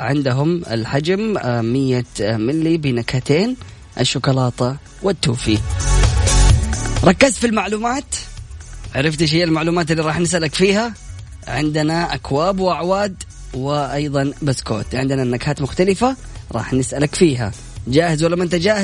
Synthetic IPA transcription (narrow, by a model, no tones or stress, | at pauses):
ʕɪnd̪ɦʊmɪ̰lħad͡ʒammɪjːamɪlːibinakhat̪eːn | ʔɪʃːʊkɑlɑːt̪ˤɑ | wɪt̪ːuːfi | ɾˤɑkːazt̪filmaʕluːmaːt̪ | ʕaɾɪft̪ɪʃ̬ijːalmaʕluːmaːt̪̬ɪlːiɾˤɑːħnɪs̬ʔalakfiːha | ʕɪnd̪naʔakwaːbwɪʔaʕwaːd̪ | wɪʔɑjðˤɑnbasko̰ːt̪ʕɪnd̪nanːakhaːt̪mʊxt̪alɪfa | ɾˤɑ̰ːħnɪsʔalakfiːɦa̰ | d͡ʒaːhɪzwalːawʔɪnt̪ad͡ʒaːh